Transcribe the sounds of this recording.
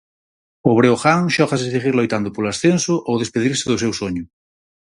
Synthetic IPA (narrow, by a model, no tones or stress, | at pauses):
oβ̞ɾeoxaŋʃɔxaseðiɣiɾlojt̪and̪ʊpolasθensʊʔowðespeðiɾsɪðʊsewsoɲʊ